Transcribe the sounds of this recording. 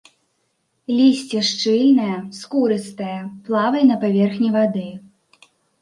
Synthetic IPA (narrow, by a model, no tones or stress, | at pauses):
lʲisʲt͡sʲɛʂt͡ʂɨlʲnɐjɐskuɾɨst̪ɐjɐplˠavɐjnɐpavʲɛrxnʲivad̪ɨ